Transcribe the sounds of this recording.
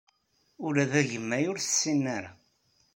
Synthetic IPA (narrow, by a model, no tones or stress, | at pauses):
ʊɾæðæʝəmːæjʊɾθə̥sːinːæɾa